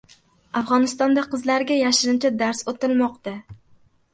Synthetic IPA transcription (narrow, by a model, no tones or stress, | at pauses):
afʁɒnɪst̪ɒnd̪aqʰɨzlaɾɡʲajaʃɪɾɪmt͡ʃʰad̪aɾsot̪ɪɾmɒqt̪a